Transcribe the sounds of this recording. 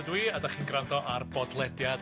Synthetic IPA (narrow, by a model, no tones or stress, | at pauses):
dwiadaχiːnɡrandɔʔarbɔdlˠɛdjad